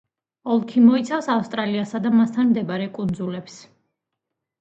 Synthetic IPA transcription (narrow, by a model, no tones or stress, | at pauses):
ɔlˠkʰimɔit̪sʰafsafst̪ʼɾaliasad̪amast̪ʰanmd̪ɛbaɾɛkʼund̪zulɛps